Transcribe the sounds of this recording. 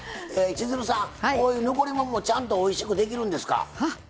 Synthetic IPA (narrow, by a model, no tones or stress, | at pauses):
eːt͡ɕizɨɾɯsãkoːjɯːnoko̞ɾʲimomoːt͡ɕãnt̪̬o̞ːiɕi̥kɯ̟d̪e̞k̬ʲiɾɯ̟̃nd̪e̞sɨ̥ka̰